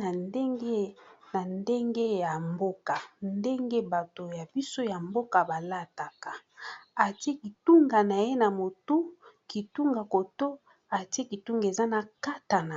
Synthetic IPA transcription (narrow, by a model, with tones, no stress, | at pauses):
a˨nde˦ŋɡe˦na˨nde˦ŋɡe˦ja˨mbo˦ka˨nde˦ŋɡe˦ba˨to˨ja˨bi˦so˦ja˨mbo˦ka˨ba˨la˦ta˨ka˨a˨ti˦e˦ki˨tu˦ŋɡa˨na˨je˦na˨mo˨tu˦ki˨tu˦ŋɡa˨ko˨to˦ | a˨ti˦e˦ki˨tu˦ŋɡe˨za˦na˨ka˦ta˨na˨